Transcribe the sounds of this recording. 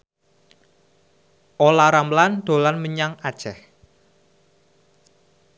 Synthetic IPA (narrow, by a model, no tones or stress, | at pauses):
ʔolaɾamland̪̥o̤lanməɲaŋad̥ʒ̥ɛh